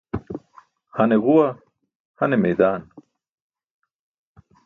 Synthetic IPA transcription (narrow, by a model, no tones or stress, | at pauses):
hɐneɣuwa | hɐnemejd̪aːn